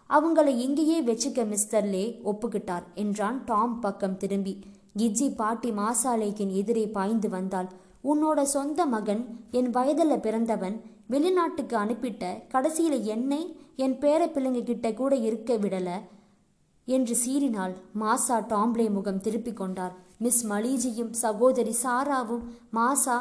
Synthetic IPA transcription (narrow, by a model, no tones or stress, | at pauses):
ɐʋɐŋɡɐɭɐɪɪŋɡejeːʋɛt͡ʃːɯkːɐmɪstɐɾɪleːɔpːɯkːɪʈːaːɾɛndraːnʈaːmpɐkːɐmt̪ɪɾɯmbi | ɡɪd͡ʒːipaːʈːimaːsaːlɐɣɪnɛðɪɾɐɪpaːjnd̪ɯʋɐnd̪aːl | ʊnːoːɽɐsɔnd̪ɐmɐɣɐnɛnʋɐjɐðɐlɐpɪɾɐnd̪ɐʋɐn | ʋɛɭɪnaːʈːɯkːɯɐnɯpːɪʈːɐkɐɽɐsɪjɪlɐɛnːɐɪɛnpeːɾɐpːɪlɐŋɡɯkɪʈːɐkuːɽɐɪɾɯkːɐʋɪɽɐlɐ | ɛndrɯsiːɾɪnaːlmaːsaːʈaːmblɐɪmʊɣɐmt̪ɪɾɯpːɪkːɔɳɖaːɾmɪsmɐliːd͡ʒɪjɯmsɐɣoːðɐɾisaːɾaːʋɯmːaːsaː